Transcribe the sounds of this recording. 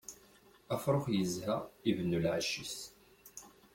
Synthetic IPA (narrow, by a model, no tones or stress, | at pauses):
æfɾˤoχjəzhæivənːulʕaʃːis